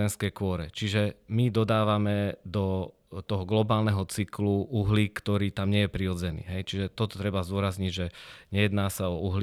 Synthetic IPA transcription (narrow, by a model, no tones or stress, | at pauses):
ɛnskɛjkʊɔɾɛt͡ʃiʒɛmid̪ɔd̪aːʋamɛd̪ɔ | t̪ɔɦɔɡlɔbaːlnɛɦɔt͡sikluuɦlikt̪ɔɾiːt̪amɲɪɛjɛpɾiɔd͡zɛnḭːɦɛjt͡ʃiʒɛt̪ɔt̪ɔ̥t̪ɾɛbazd̪ʊɔɾazɲiɟʒɛɲɛjɛd̪naːsaɔuɦl